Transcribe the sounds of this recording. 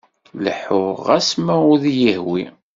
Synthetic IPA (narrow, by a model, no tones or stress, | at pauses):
ləħʊɾʁæsmæʊðjəhwi